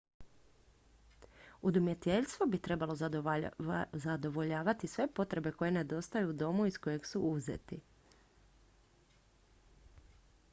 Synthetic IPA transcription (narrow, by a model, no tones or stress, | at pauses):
ud̪umje̞t̪e̞ʎʲst̪ʋo̞bit̪ɾe̞balˠo̞ | zad̪o̞ʋo̞ʎaːʋat̪isʋe̞po̞t̪ɾe̞be̞ko̞je̞ne̞d̪o̞st̪ajuːd̪o̞muisko̞je̞ɡsuuzḛt̪i